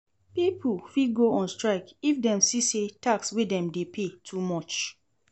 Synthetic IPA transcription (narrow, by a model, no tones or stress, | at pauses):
pipʰufiɡoʔɔ̃nstɹaɪkifdɛ̃msisetakswedɛ̃mdepʰetʰumɔt͡ʃ